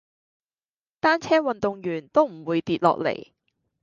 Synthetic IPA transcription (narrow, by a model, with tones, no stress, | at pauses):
t̪aː˥nt͡sʰɛː˥wɐ˨nt̪ʊ˨ŋjyː˨˩nt̪o˥wm̩˨˩wuː˨˧jt̪iː˧t̚lɔ̰ː˨k̚lḛ˨˩j